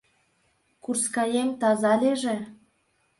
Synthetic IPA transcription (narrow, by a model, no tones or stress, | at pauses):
kurskɑjemt̪ɑzɑlʲeʒĕ